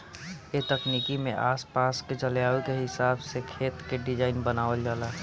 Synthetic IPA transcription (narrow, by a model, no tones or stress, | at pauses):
et̪əkniːkimḛ̃ʔaːspaːsked͡ʒəljaːʋikeɦɪsaːbsekʰeːt̪keɖɪd͡ʒaːɪnbənaːʋəld͡ʒaːlaː